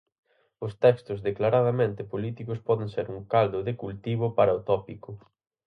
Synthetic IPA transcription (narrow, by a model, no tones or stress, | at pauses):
ʊst̪ɛkst̪ʊzðeklaɾað̞amẽnt̪ɪpolit̪ikʊspɔðẽŋseɾuŋkald̪ʊðɪkult̪iβʊpaɾɐot̪ɔpikʊ